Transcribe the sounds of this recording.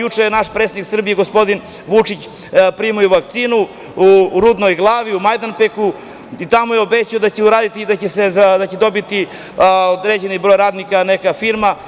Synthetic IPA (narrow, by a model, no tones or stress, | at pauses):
jut͡ʂenaʃpɾet̪seiksr̩bijeɡo̞spo̞d̪in | ʋut͡ʂit͡ɕ | pɾimojuʋakt̪siːnu | uɾud̪nojɡlˠaːʋiumajd̪anpeku | it̪amojeo̞bet͡ɕiod̪at͡ɕeuɾaːd̪it̪iːd̪at͡ɕesed̪at͡ɕed̪o̞bit̪i | od̪ɾed͡ʑenibɾo̞jɾaːd̪nikanekafiɾma